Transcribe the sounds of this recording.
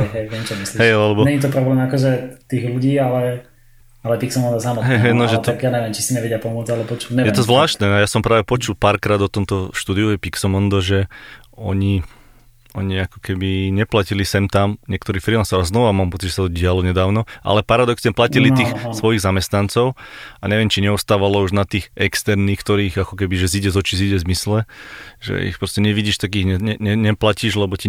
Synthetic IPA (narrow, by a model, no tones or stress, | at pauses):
ɦɛjɦɛjʋɛmt͡ʃɔmisliɦɛjlɛbɔɲɛɲit̪̬ɔpɾɔblɛːmakɔʒɛt̪iːɣluɟiːalɛ | alɛpiksɔmɔnd̪ɔsamɔɦɛjɦɛnɔʒɛt̪ajaɲɛʋjɛmt͡ʃi̥siɲɛʋɛɟɪapɔmʊɔd͡zalɛbɔt͡ʃulɲɛjɛt̪ɔzʋlaːʃt̪nɛajasɔmpɾaːʋɛpɔt͡ʃulˠpaːɾkɾaːd̪ɔt̪ɔmt̪ɔʃt̪uːd̪iujɛpiksɔmɔnd̪ɔʒɛ | ɔɲi | ɔɲiakɔ̥kɛbiɲɛplacilisɛmt̪amɲɪɛkt̪ɔɾiːfɾilansɔʊaznɔʋamaːmpɔtt͡sidɟʒɛs̬at̪ɔɟɪalɔɲɛd̪aːʊnɔʔa̰lɛpaɾad̪ɔksɲɛplacilit̪iːxsʋɔjiɣzamɛst̪nant͡sɔʊaɲɛʋɪɛmt͡ʃiɲɛɔst̪aːʋalɔuʒnat̪iːxɛkst̪ɛɾniːxkt̪ɔɾiːɣakɔkɛbiʒɛziɟɛzɔt͡ʃiziɟɛzmislɛʒɛ̰ḭxpɾɔscɛɲɛʋiɟiːʃt̪ak̬iːɣɲɛɲɛɲɛɲɛplaciʒlɛbɔci